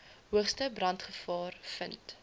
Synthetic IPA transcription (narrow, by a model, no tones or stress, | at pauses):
ɦuəχstəbrɐntχəfɑːrfənt